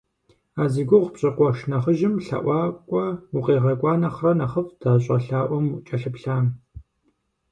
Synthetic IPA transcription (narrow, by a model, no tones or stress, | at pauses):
aːziɡʷʊʁpɕʼɐqʷɔʃnɐχəʒɪmɬɐ̰ʔʷɑːkʷʼɔuqeːʁɐkʷʼɑːnɐχrɐnɐχəfd̥aːɕʼɐɬaːʔʷɔmt͡ʃʼɐɬɨpɬaːm